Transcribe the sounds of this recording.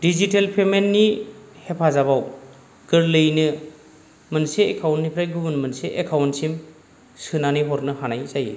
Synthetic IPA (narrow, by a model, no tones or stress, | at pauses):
dizitelpʰemenːihepʰazabaw | ɡ̥ɯɾlɯjnɯ | mɯnseːkʰawntːipʰɾajɡubɯnmentseʔekʰawntsim | sɯnaniɦɔɾnɯhanajzajḛ